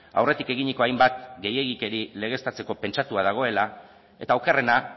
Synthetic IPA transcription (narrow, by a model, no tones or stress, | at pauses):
a̰wre̞t̪ike̞ɣiɲiko̞ajmbat̪ɡe̞je̞ɣike̞ɾile̞ɣ̞e̞st̪at͡se̞ko̞pe̞nt͡ʃat̪uað̞aɣ̞o̞e̞la | e̞t̪auwkere̞na